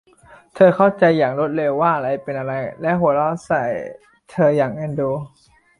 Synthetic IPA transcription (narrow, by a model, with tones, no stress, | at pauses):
t̪ʰɤː˧kʰa˥˩wt͡ɕa˧jːaː˨˩ŋɾo˦˥t̪̚le˧wːaː˥˩ʔa˧ɾa˧jpe˧nʔa˧ɾa˧jlɛ˦˥ʔɦu˩˦lɔː˦˥sa˨˩j | t̪ʰɤː˧jaː˨˩ŋʔa˧˩nduː˧